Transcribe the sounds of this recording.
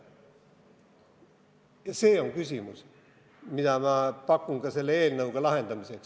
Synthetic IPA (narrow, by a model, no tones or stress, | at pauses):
jɑseːoŋkysʲimus | mid̪̥ɑmɑpɑkːˑuŋɡ̥ɑse̞lːeeːlnɤuɡ̥ɑlɑhe̞nd̪ɑmiseks